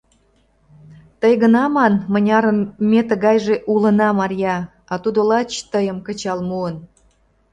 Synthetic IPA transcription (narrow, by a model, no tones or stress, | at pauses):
t̪əjɣənɑmɑnmənʲɑɾənmet̪əɣɑjʒeʔulənɑmɑɾjɑ | ɑt̪ud̪olɑt͡ɕt̪əjəmkət͡ɕɑlmuən